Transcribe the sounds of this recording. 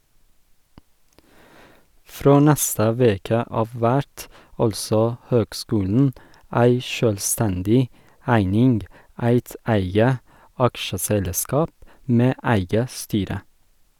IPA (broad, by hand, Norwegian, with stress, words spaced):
ˈfɾoː ˈnɛstə ˈʋeːkə ˈɑːʋ ˈʋæʈ ˈɑlsɔ ˈhøːɡˌskʉːln̩ ˈæɪ ˈʃøːlˌstɛndɪ ˈæɪnɪnɡ ˈæɪt ˈæɪɡə ˈɑkʃəˌsɛlˌskɑːp ˈmeː ə ˈæɪɡə ˈstyːɾə